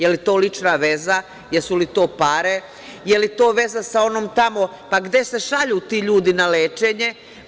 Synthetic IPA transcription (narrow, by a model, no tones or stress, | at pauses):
jelit̪o̞ːlit͡ʃnaʋe̞za | jesulit̪o̞ːpaɾe̞ | je̞lit̪o̞ːʋe̞zasao̞noːmt̪amo̞ | paɡd̪e̞se̞ʃaʎuːt̪iːʎuːd̪inaleːt͡ʃeɲe̞